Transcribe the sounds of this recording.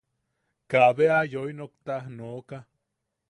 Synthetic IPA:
kaβeajojnokt̪ahnoka

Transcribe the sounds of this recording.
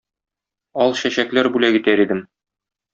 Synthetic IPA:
ɒlˠɕæɕæklæɾbʉlæɡit̪æɾid̪ɘm

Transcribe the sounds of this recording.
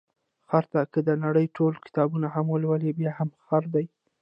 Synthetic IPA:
xaɾt̪akəd̪ənaɽəjʈolkɪ̥t̪ɑbunaɦamwəlwəlibjɑhamxaɾd̪aj

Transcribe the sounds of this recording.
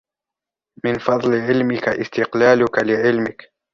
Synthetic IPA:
mɪnfɑd̪ˤlɪʕɪlmɪkaʔɪst̪ɪqlaːlʊkalɪʕɪlmɪk

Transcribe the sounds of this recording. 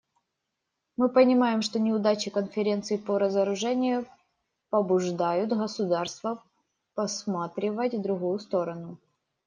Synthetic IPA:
mɨpənʲɪmajɪmʂt̪o̞nʲɪʊd̪at͡ɕɪkənfʲɪɾʲe̞nt̪sɨjpəɾəzəɾʊʐɛnʲɪjʊ | pəbʊʐd̪ajʊt̪ɣəsʊd̪arst̪və | pɐsmat̪ɾʲɪvətʲvd̪ɾʊɣujʊst̪o̞ɾənʊ

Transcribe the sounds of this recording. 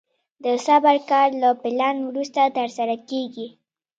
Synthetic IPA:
d̪əsabaɾkɑɾlapɪlɑnwɾust̪at̪əɾsaɾakeɡi

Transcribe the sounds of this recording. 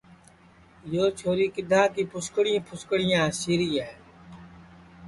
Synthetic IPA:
joːt͡ʃʰoːɾiːkɪd̪ʱãːkiːpʊskɽɪĩːpʰʊskɽɪjãːsiːɾiːaɦ

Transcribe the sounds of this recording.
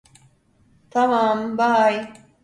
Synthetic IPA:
t̪amaːmbaːj

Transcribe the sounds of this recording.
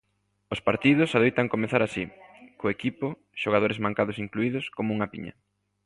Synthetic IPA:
ʊspaɾt̪iðʊsaðejt̪ɐŋkomeθaɾaʃikoekipʊ | ʃoɣ̞að̞oɾɪzmaŋkaðʊsiŋkluiðʊskomouŋɐpḭɲɐ̰

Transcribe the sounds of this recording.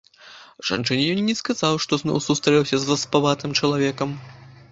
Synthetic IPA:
ʐ̥a̰nt͡ʂɨnʲɛjɔnːʲɛskazawʂt̪ɔznɔ̰wsust̪ɾɐjʲɛwsʲɐzvɐspavat̪ɨmt͡ʂɐlˠavʲɛkɐm

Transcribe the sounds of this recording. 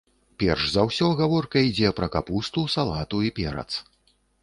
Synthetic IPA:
pʲɛrʂzɐwsʲɔɣavɔrkɐid͡zʲɛpɾɐkapust̪usalˠat̪uipʲɛɾɐ̰t̪s

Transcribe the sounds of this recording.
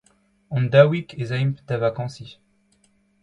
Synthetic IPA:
ɔ̃nd̪awikezaimpt̪avakɑ̃si

